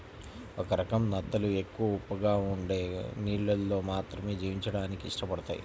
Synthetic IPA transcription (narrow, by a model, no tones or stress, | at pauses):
ɔkɐɾɐkɐmnɐt̪ːɐlue̞kːuʋɐupːɐɡaːuɳɖe̞ːniːɭːɐlːo̞ːmaːt̪ɾɐme̞ːd͡ʒiːʋiɲt͡ʃɐɽaːnikiːʂʈɐpɐɽɐt̪a̰ːjḭ